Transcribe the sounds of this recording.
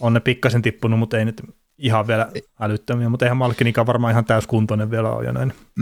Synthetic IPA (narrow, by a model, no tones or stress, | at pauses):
onnepikːɑsent̪ipːunummut̪einyt̪ | ihɑʋʋiælæælyt̪ːømiæmut̪eˑihæmmɑlkːinikɑːʋʋɑrmɑːihɑnt̪æyskunt̪oneʋʋielæ̰o̰jo̰næ̰in